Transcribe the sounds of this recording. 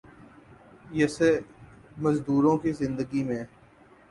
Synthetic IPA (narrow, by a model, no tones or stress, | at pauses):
jɛse | mɐzd̪uːɾõkizɪ̃nd̪əɡimẽ